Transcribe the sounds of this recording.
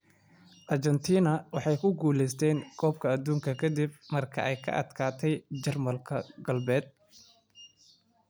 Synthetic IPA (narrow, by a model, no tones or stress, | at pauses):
ʔɐrt͡ʃɛnt̪ʰiːnɐwɑħɑjkʰʊɡuːlɛjst̪ʰɛːŋkʰɔːb̚kʰɐːd̪uːŋkʰɐkʰɐd̪ɪb̚mɐrkʰɐ̰ʔɛjkʰɐ̰ʔɐ̰d̪kʰaːt̪ʰɛjt͡ʃɐrmɐlkʰɐɡɐlbɛːd̪̚